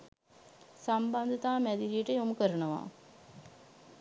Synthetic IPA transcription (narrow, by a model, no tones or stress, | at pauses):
samband̪ət̪aːmæd̪iɾiəʈəjomukəɾənəʋa̰ː